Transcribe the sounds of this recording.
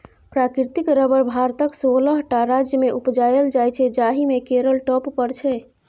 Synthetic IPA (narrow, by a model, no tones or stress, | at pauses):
pɾakiɾt̪ikɾəbəɾbʱaɾt̪əksoləɦʈaɾad͡ʒjəmeʔupd͡ʒajəld͡ʒajt͡ʃʰɛd͡ʒaɦimekeɾəlʈɔpːəɾt͡ʃʰɛ